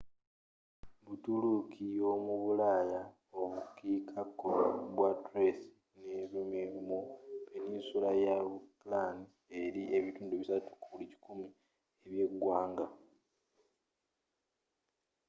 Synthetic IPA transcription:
βutulukʰiomuβulaːja | oβukikʰakːoβwatɾesi̥ | neβimimupeninsulajaβuplani | eɾiʔe̞βituːnduβisatu̥kuulici̥kumi | eβje̞ɡwaːŋɡa

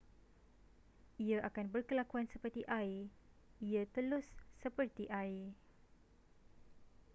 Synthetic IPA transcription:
iaʔakanbərkəlakuansəpərt̪iʔai | iat̪əlʊsːəpərt̪iʔai

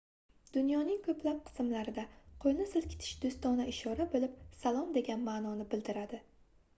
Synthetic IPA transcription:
d̪̥ʊnjɒnɪŋkʰɵplap̚qʰɨ̥sɨmlaɾɪd̪aqʰojnɪsɪlkʲʰɪ̥t̪ʰɪ̥ʃd̪ʊst̪ɒnaɪʃɒɾabolˠɪpsalˠɒmd̪e̞ɡʲanmaːnɒnɪbɪld̪ɪɾad̪ɪ

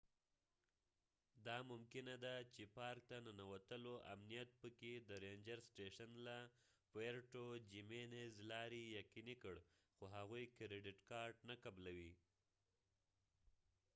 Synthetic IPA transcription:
d̪ɑmʊmkɪnad̪at͡ʃepɑɾk̚t̪ananawat̪əloʔa̰mnijat̪̚pəked̪əɾend͡ʒaɾsʈeʃanla | peɾʈod͡ʒimenezlɑɾijaqinikəɽ | xoɦaɣujkɾeɖɪʈkɑɾɖnakablawi

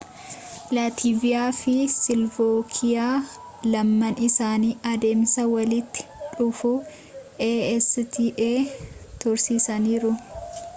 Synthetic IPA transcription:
laːt̪ʰiːvɪjaːfɪsɪlvoːkʰɪjaː | lɐmːɐnɪsaːniːʔɐd̪e̞ːmsɐwɐlɪt̪ːɪ̥ᶑʊfu | ʔeɛst̪iːʔeːt̪ɔɾsiːsɐniːɾʊ

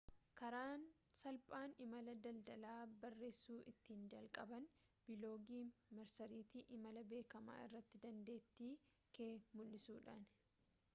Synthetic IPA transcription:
kɐɾaːn | sɐlpʼaːnɪmɐlɐd̪ɐld̪ɐlaːbɐrːe̞ːsːuːʔɪt̪ːiːnd͡ʒɐlkʼɐbɐn | b̥ɪlo̞ːɡiːmɐɾsɐɾiːt̪ɪʔɪmɐlɐbe̞ːkɐma̰ːɪ̰rːɐt̪ːɪd̪ɐnd̪e̞ːt̪ːiː | keːmʊlːɪsuːᶑa̰ːn

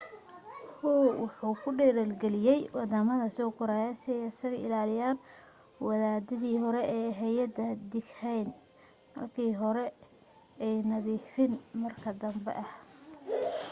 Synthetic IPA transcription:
huːwʊħuːkʰʊɖɛːɾɐlɡɛlɪjɛjwɑd̪amɐðɐsɔkʰʊɾaːjaːsɪɛjɐsɐɣɐɪ̰laːlɪjaːn | wɑðaːd̪ɪðiːhɔɾɛʔɛːɦɛjɐd̪ɐd̪ɪɡhɛjn | mɐ̰rkʰiːɦɔɾɛ | ɛjnɐðiːfɪnmɐrkʰɐd̪ɐmbɛ̰ʔɐh

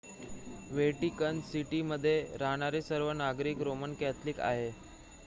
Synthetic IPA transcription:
ʋeʈikənsiʈiməd̪ʱːjeɾaɦɽ̃aɾesəɾʋənaɡɾiːkɾomənkɛt̪ʰliːka̰ɦe

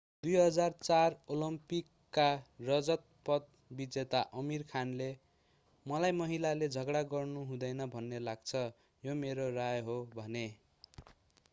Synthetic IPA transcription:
d̪ujɦʌd͡zart͡sarolʌmpikːarʌd͡zʌt̪̚pʌt̪̚ | bid͡zet̪aʔʌmirkʰanle | mʌlajmʌɦilaled͡zʱʌɡɽaɡʌrnuɦũd̪ʌjnʌbʱʌnːelaɡt͡sʰʌ | jomeɾorajɦobʱʌne

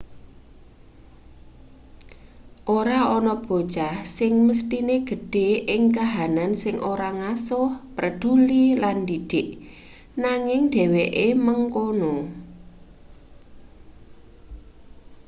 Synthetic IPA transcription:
ʔoɾaɔnɔb̥o̤t͡ʃahsɪŋməst̪ineɡ̥ə̤ɖ̥e̤ʔɪŋkaɦanansɪŋʔoɾaŋasʊhpɾəɖ̥uliland̪iɖ̥ɪʔ | naŋɪŋɖ̥e̤weʔeməŋkonʊŋ

